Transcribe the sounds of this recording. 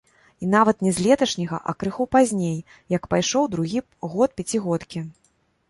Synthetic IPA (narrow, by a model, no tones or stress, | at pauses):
in̪avɐt̪nʲɛzʲlʲɛt̪ɐʂnʲɐɣɐ̰ʔɐ̰kɾɨxupazʲnʲej | jɐkpajʂɔwd̪ɾuɣʲi | ɣɔt̪̚pʲat͡sʲiɣɔt̪kʲi